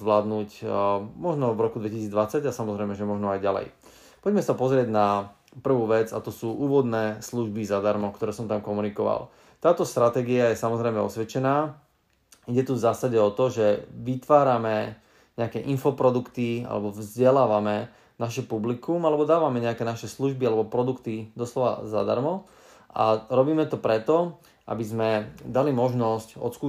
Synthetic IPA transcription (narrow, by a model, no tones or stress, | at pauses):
ʋlaːd̪nuːcmɔʒnɔvɾɔkud̪ʋɛcisiːd͡zd̪ʋat͡saɟasamɔzɾɛjmɛʒɛmɔʒnɔajɟalɛ̰j | pɔɟɛmɛsapɔzɾɪɛɟna | pr̩ʋuːʋɛd͡za̰t̪ɔsuːʔuːʋɔd̪nɛːsluʒbizad̪aɾmɔkt̪ɔɾɛːsɔmt̪amkɔmunikɔʋa̰l | t̪aːt̪ɔst̪ɾat̪ɛːɡiajɛsamɔzɾɛjmɛɔ̰sʋɛt͡ʃɛnaː | iɟɛt̪uvzaːsaɟɛɔt̪ɔʒɛʋit̪ʋaːɾamɛ | ɲɛakɛʔinfɔpɾɔd̪ukt̪ia̰lɛ̰bɔvzɟɛlaːʋamɛ | naʃɛpublikumalɛbɔd̪aːʋamɛɲɛakɛːnaʃɛsluʒbialɛbɔpɾɔd̪ukt̪id̪ɔslɔʋa̰za̰d̪a̰ɾmɔ | ʔa̰ɾɔbiːmɛt̪ɔpɾɛt̪ɔ | ʔa̰bizmɛd̪alimɔʒnɔscɔ̰t̪skuː